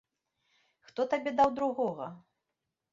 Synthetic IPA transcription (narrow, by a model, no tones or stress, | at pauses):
xt̪ɔt̪abʲɛd̪awd̪ɾuɣɔɣɐ